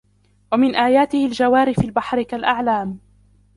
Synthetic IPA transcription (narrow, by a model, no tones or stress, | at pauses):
wamɪnʔaːjaːt̪ɪhɪld͡ʒawaːɾɪfɪlbaħɾɪkalʔaʕlaːm